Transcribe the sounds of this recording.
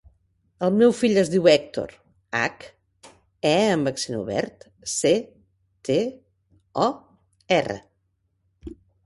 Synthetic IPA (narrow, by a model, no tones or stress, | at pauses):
əlˠmewfiʎəzðiwɛk̚t̪o̰ɾ | a̰k | ɛəmbəksinṵβɛ̰ɾt̪ | se | t̪e | ɔ | ɛrə̰